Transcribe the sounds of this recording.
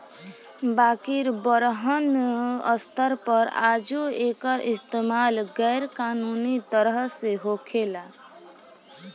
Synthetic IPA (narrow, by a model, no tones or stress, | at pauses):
bakiɾbəɾɦənʌ̰st̪ʰəɾpəɾa̰d͡ʒuekəɾʔist̪emalɡɛjɾkanunit̪əɾɦseɦokʰela